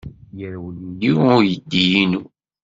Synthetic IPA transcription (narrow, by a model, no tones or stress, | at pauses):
jəɾwənndiʊɾjəd̪ːijinu